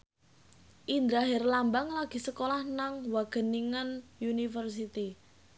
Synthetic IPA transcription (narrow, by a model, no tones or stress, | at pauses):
ʔind̪ɾaɦɪrlambaŋlaɡ̥i̤səkolahnaŋwaɡ̥ə̤niŋanjunifərs̬it̪i